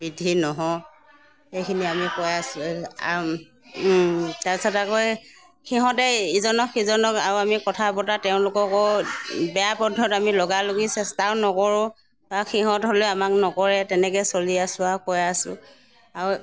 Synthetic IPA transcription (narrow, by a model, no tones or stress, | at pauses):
bidʱinɔɦɔ | xejkʰiniamikɔjasʊ̃a | taɹsɔtakoj | kiɦɔtɛizɔnɔkizɔnɔka̰ɹuamikɔtʰabɔtatɛʊ̃lʊkɔkɔbɛjapɔdʱːɔtamilɔɡaloɡisɛstanɔkɔɹʊ̃ | axʰiɦɔ̃tɦolʊamaknɔkɔɹɛtɛnɛkɛsoliasʊ̃akɔjasʊ̰ | aɹu